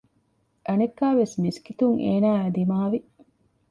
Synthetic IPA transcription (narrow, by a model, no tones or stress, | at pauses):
ʔɐnekːæːʋesmiskit̪uŋʔḛːnæːæd̪imaːʋi